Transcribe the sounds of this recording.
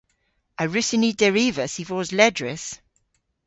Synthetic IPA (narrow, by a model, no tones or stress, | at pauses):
əɹʉsɪnidɛɹiːvəsivɔːzlɛdɹɪs